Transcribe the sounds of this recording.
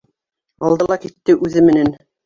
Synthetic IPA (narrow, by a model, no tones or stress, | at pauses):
ɑlˠd̪ɤlˠɑkit̪ːɘʔʉðɘmɘ̆næn